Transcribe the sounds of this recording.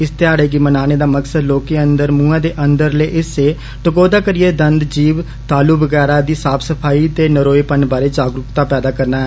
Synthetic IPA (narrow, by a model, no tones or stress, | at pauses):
ɪst̪ɪjaːɽeːɡimənaːneːd̪aːməksəd̪loːkeːənd̪əɾmũːãːd̪eːʔənd̪əɾleːʔɪseː | ʈəkoːd̪aːkəɾijeːd̪ənd̪d͡ʒiːʋ | t̪aːluːbəɡɛːɾaːd̪iːsaːpʰsəpʰaːiːt̪eːnəɾoːeːpənbaːɾeːd͡ʒaːɡɾʊkt̪aːpɛːd̪aːkəɾnaːɦɛː